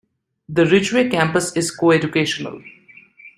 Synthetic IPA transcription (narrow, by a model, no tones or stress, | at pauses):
d̪əɾɪt͡ʃuʋekæ̃mpəsɪzkoːed͡ʒʊkeːʃənə̰l